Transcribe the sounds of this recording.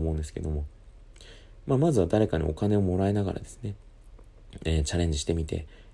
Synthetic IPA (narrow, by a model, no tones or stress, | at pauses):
mo̞ɯ̃nd̪esɨ̥ke̞d̪o̞mo̞ | maːmazɨβad̪aɾe̞kaɲ̟ḭo̞̰kane̞o̞mo̞ɾae̞naɡa̰ɾa̰d̪e̞sɨ̥ne̞ | eːt͡ɕaɾẽ̞ɲ̟d͡ʑiɕi̥t̪e̞mʲit̪e̞̰